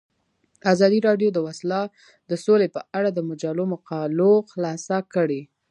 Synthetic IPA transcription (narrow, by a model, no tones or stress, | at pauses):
azɑd̪iɾɑɖjod̪əwaslɑ | d̪̥əsolepəʔaɽad̪əmʊd͡ʒalomaqɑloxlɑsakəɽe